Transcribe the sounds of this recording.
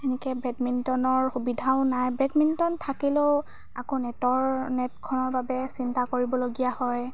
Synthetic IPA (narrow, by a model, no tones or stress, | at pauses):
ɛnɛkɛbɹɛtmintɔnɔɹxubidʱaʊ̃najbɹɛkmintɔntʰakilo | akonɛtɔɹnɛtkʰɔnɔɹbabɛsintakoɹibɔloɡijahɔj